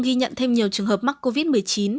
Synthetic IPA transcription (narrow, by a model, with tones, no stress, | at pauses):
ɣi˧ɲə̰˧˨nt̪ʰe˧mɲi˨˩əwt͡ɕɨ˨˩əŋɦəː˨˩p̚ma˦˥k̚kːo˧vi˦˥t̚mɨ˨˩əjt͡ɕi˨˦n